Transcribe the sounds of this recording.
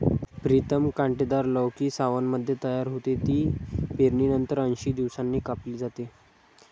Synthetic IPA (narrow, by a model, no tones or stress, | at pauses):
pɾit̪əmkaɳʈed̪aɾləʋkiːsaʋənməd̪ʱjet̪əjaɾɦot̪et̪iːpeɾɳiːnənt̪əɾənɕiːd̪iʋsanːiːkapliːd͡zat̪e